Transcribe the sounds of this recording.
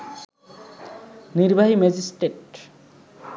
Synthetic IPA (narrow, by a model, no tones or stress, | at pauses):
niɾbʱaɦimed͡ʑisʈeʈ